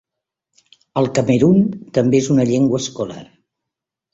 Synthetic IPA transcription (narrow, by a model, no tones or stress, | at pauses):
əlˠkəməɾunt̪əmbeezunəʎeŋɡwəːskula̰r